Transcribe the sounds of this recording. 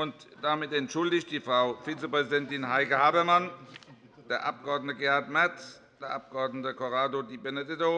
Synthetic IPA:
ʊntd̥amɪtɛntʃʊldɪçtd̥iːfʁ̥aʊfiːt͡səpʁ̥ɛzidɛntɪnhaɪkəhaːbɐman | d̥eːɐʔap̚ɡ̥əɔɐdnətəɡeːaɐtmɛɐt͡s | d̥eːɐʔap̚ɡ̥əɔɐdnətəkʰoʁaːdodiːbɛnɛdɪdo

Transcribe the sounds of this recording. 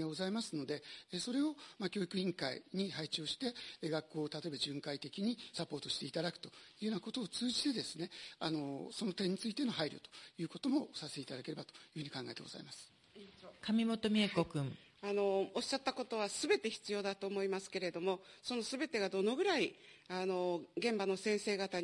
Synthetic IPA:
aɡo̞zaimasɨno̞d̪e̞eso̞ɾe̞o̞makʲo̞ːikɯ̟ĩŋkaḭɲ̟iɦait͡ɕo̞ːɕi̥t̪e̞ɡakːo̞ːt̪at̪o̞ebaʑɨ̃ŋkait̪e̞kʲiɲ̟isapːo̞ːt̪o̞ɕi̥t̪e̞it̪ad̪akɯ̟̥o̞̥jɯːoːnako̞t̪o̞ːt͡sɨːʑit̪e̞d̪e̞sɨne̞ano̞so̞no̞t̪ẽ̞ɲ̟ːit͡sɨit̪e̞no̞ɦaiɾʲo̰t̪o̞̥jɯ̟ːko̞t̪o̞mo̞saset̪eit̪ad̪ake̞ɾe̞bat̪o̞̥jɯ̟ːhɯ̟ɲ̟ikãŋɡae̞t̪eɡoz̥a̰imasɨ̥ | kamʲimo̞t̪o̞mʲiekokɯ̟̃ŋ | ano̞oɕːat̪ːako̞t̪o̞β̞asɨbe̞t̪e̞çi̥t͡sɨjo̞ːd̪at̪o̞ːmo̞imasɨ̥ke̞ɾe̞d̪o̞mo̞so̞no̞sɨbe̞t̪e̞ɡad̪o̞no̞ɡɯ̟ɾaiano̞ɡẽ̞mbano̞sẽ̞ɰ̃se̞ːɡat̪a

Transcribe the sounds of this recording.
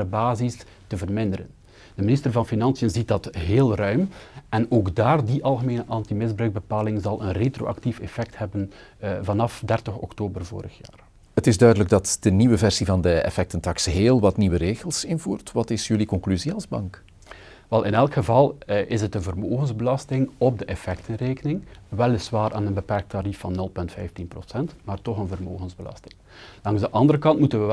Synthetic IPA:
əbaːzis | təvərmɪndəɾə̰n | d̥əmɪnɪstərvɑnfinɑnsijənzit̚dɑtɦeːlˠrœɥmʔɛnoːɡdaːrdiʔɑlˠɣəmeːnəʔɑntimɪzbɾœɥɡ̚bəpaːlɪŋzɑlˠənretro̰ːʔa̰ktifɛfɛk̚thɛbən | vɑnɑfdɛrtəxɔ̰ktoːbərvo̰ːɾəxja̰ːr | ətɪzdœɥdələɡ̚dɑtd̥əniʋəvɛrsivɑndəɛ̰fɛk̚təntɑksɦeːlˠʋɑtniʋəɾeːɣəlˠsɪnvuːrtʋɑtɪsjɵlikɔŋklyziɑlˠzbɑ̰ŋk | ʋɛlˠɪnɛlˠkχəvɑlˠʔɪsətənvərmoːɣənzbəlɑstɪŋɔb̚dəʔɛfɛk̚tənreːkənɪŋʋɛlˠɪsʋaːɾa̰ːnənbəpɛrk̚tːaɾifɑnːɵlˠpɵntfɛjftinpro̰sɛntmaːrtɔχənvərmoːɣənzbəlɑ̰stɪ̥ŋ | d̥ɑŋzdəʔɑndəɾəkɑntmutənʋə

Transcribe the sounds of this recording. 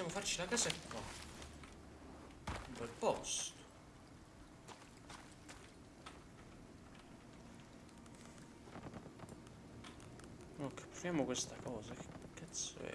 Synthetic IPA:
ɛmɐfɐɾt͡ʃlɐkɐsɛkːɐ | bɪlpɔst̪ | ɔkːpfɾɛmukwɪst̪ɐkɔːzɐkɛs

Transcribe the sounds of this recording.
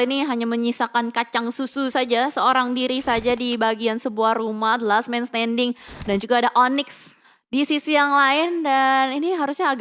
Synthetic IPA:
iniɦaɲaməɲisakankat͡ʃaŋsususad͡ʒasəoɾaŋdiɾisad͡ʒadibaɡiansəbuahrumahd̪əlasmɛnst̪ɛndɪŋdand͡ʒuɡaːdaʔonɪks | disisijaŋlaɪndaniniɦaɾusɲaːɡ

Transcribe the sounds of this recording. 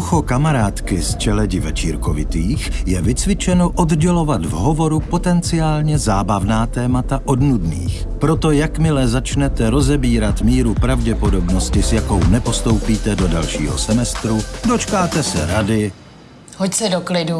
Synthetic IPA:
uxokamaɾaːt̪kɪst͡ʃɛlɛɟɪvɛt͡ʃiːɾkovɪt̪iːxjɛvɪt͡svɪt͡ʃɛnoʔo̞d̪ɟɛlo̞vat̪vɦo̞vo̞ɾupo̞t̪ɛnt͡sɪaːlɲɛzaːbavnaːt̪ɛːmat̪aʔo̞dnudnḭːx | pɾo̞t̪ojakmɪlɛzat͡ʃnɛt̪ɛɾo̞zɛbiːɾat̪miːɾupɾavɟɛpo̞do̞bno̞scɪsjako̞wnɛpo̞st̪o̞wpiːt̪ɛdo̞dalʃḭːɦo̞̰sɛmɛst̪ɾudo̞t͡ʃkaːt̪ɛsɛɾadɪ | hocsɛdoklɪdu

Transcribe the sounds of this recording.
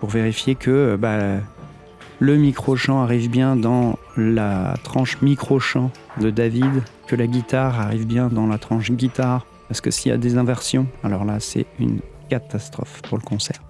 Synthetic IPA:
puʁveʁifjekʰəba | ləmikχoʃɑ̃aʁivbjɛ̃d̪ɑ̃ | la̰t̪χɑ̃ʃmikχoʃɑ̃d̪əd̪avid̪kəlaɡʲit̪aʁaʁivbjɛ̃d̪ɑ̃lat̪χɑ̃ʃɡʲit̪aʁ | paʁsə̥kəsija̰d̪ezɛ̃vɛʁsjɔ̃alɔʁlasɛ̰y̰nkat̪ast̪χɔ̰fpuʁləkɔ̃sɛːʁ

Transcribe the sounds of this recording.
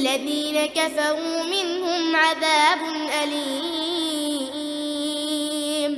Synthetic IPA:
lːaðiːnakafɑɾuːmɪnhʊmʕaðaːbʊnʔaliː | m

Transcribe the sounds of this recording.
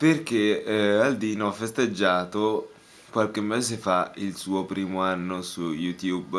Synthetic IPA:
perk̟eald̪iːnoafːest̪ed͡ʒːaːt̪o | kwalkemːeːzefailsuːopɾiːmoanːosujut̪jub

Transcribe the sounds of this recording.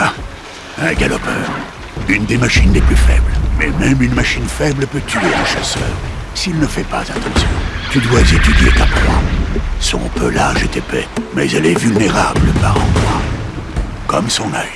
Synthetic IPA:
a | ɛ̃ɡalɔpœːʁ | ynd̪emaʃinleplyfɛblmɛmɛmynmaʃinfɛblpøt̪ʰyeəʃasœːʁ | silnəfɛpa̰zat̪ɑ̃sjɔ̰̃t̪yd̪wazet̪yd̪jḛt̪apwãsɔ̰̃pø̰laʒet̪epɛmɛ̰zɛlɛvylneʁabləpaʁɑ̃pwã | kɔmsɔ̃nɛj

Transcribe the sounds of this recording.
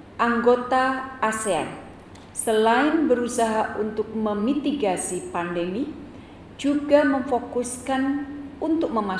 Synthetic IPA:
ʔaŋɡot̪aːsea̰n | səlaɪnbəɾusaɦaʔunt̪ʊk̚məmit̪iɡasipandəmi | d͡ʒuɡaməɱfokʊskanunt̪ʊk̚məma

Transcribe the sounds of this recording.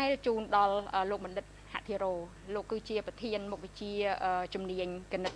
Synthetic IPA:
aɛt͡ɕuːnɗɑlʔəːloːk̚ɓɑnɗɨt̪̚ha̰ʔt̪ʰiəɾoː | loːkːɨːt͡ɕiəprɑt̪ʰiənmuk̚ʋet͡ɕiəʔəːt͡ɕumniəɲkinət̪̚

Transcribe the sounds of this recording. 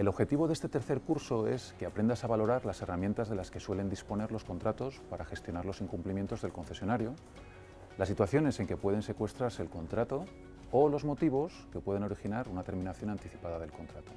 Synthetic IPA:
e̞lo̞βxe̞t̪iβ̞o̞ðest̪e̞t̪e̞ɾθe̞ɾkuɾso̞e̞̰skeapɾe̞nd̪asaβalo̞ɾaɾlase̞ramje̞nt̪azðe̞laske̞swe̞le̞nd̪ispo̞ne̞ɾlo̞sko̞nt̪ɾat̪o̞spaɾaxe̞st̪jo̞naɾlo̞siŋkumplimje̞nt̪o̞zðe̞lko̞nθe̞sjo̞naɾjo̞ | lasːit̪waθjo̞ne̞se̞ŋke̞pwe̞ð̞e̞nse̞kwe̞st̪ɾaɾse̞ːlko̞nt̪ɾat̪o̞ | olo̞zmo̞t̪iβ̞o̞ske̞pwe̞ð̞e̞no̞ɾixinaɾunat̪e̞ɾmĩnaθjo̞nant̪iθipað̞að̞e̞lko̞nt̪ɾat̪o̞̥

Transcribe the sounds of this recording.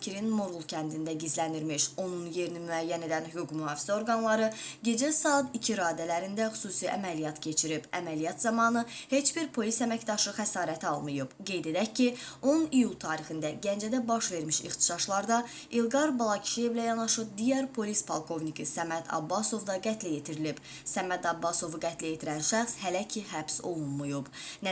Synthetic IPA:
cʰiɾinmoɾɣulˠcʰænd̪ind̪æɟizlænd̪iɾmiʃo̞nunje̞ɾinimyæjːæne̞d̪ænhyɡuɡmyɦɑːfi̥zæo̞ɾɡɑnlˠɑɾɯɟe̞d͡ʒæsɑːt̪icʰiɾɑːd̪ælæɾind̪æχy̥suːsiʔæ̰mælijɑt̪cʰe̞t͡ʃʰiɾibæ̰mælijɑt̪zɑmɑːnɯhe̞t͡ʃb̥iɾpʰo̞lisæmæcd̪ɑʃɯxæsɑːɾæt̪ʰɑlˠmɯjɯb̥ɡe̞jd̪e̞d̪æccːionnijulˠt̪ʰɑːɾixind̪æɟænd͡ʒæd̪æbɑʃve̞ɾmiʃḭxt̪i̥ʃɑʃlˠɑɾd̪ɑ | ilˠɡɑɾbɑlˠɑcʰi̥ʃije̞vlæjɑnɑʃɯb̚d̪ijæɾpʰo̞lispʰɑlˠkʰo̞vnikisæmæd̪ɑ̰bːɑso̞vd̪ɑɡæt̪ʰlæjet̪ʰiɾilib | sæmæd̪ɑbːɑso̞vɡæt̪ʰlæjet̪ʰiɾænʃæχshælæcʰiɦæbso̞lˠunmujubn

